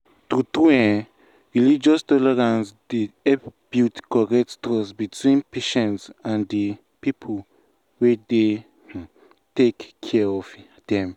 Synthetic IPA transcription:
tutuɛ̃ | ɹilid͡ʒɔstɔlɛɹãnsdiɛpb̥jutkɔɹɛtstɔsbitʰwĩnpeʃɔ̃nsãndi | pipʰul | wede | tekːʰɛɔf | d̥ɛ̃m

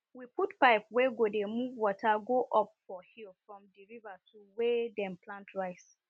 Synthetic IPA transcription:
wiputpaɪpwɛɡodemuvwɔtʰaɡoʔɔpfɔhilfɹɔ̃mdiɹivatʰuwɛdɛ̃mpʰlãntʰɹaɪs

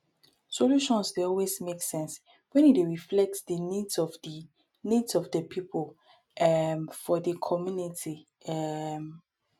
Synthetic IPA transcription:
soluʃɔ̃nsdeɔlwesmeksɛ̃ns | wɛ̃nieɹiflɛk̚tsdənidsɔfdi | nidsɔfdəpʰipʰol | ɛmfɔdəkʰɔmjunitʰi | ɛm

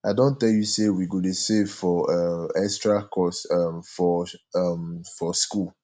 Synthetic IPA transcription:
aɪdõntɛljusewiɡonusɛvfɔʌmɛkstɹakʰɔsʌmfɔʌmfɔskul

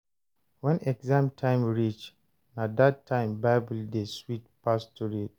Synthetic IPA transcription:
wɛ̃nɛɡzãmtʰãɪ̃mɹit͡ʃ | nãdattʰːãɪ̃mbaɪbəldeswit̚pʰastʰɔɹit̚

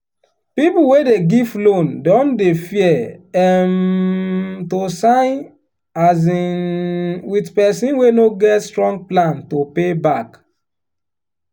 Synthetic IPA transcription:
pipuwedeɡivlõndɔ̃ndefiɛɛm | tosãɪ̃n | azĩ | witpɛsĩnwenoɡɛtstɹɔ̃ŋɡ̚plãntopebak

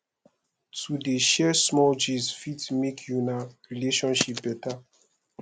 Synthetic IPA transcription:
tʰudeʃɛsmɔld͡ʒizfitmekʰjunaɹileʃɔ̃nʃip̚bɛta

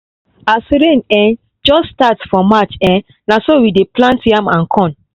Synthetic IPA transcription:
asɾẽnɛ̃n | d͡ʒɔsːtatsfɔmat͡ʃɛ̃n | nasowideplãntãmãnkʰɔ̃n

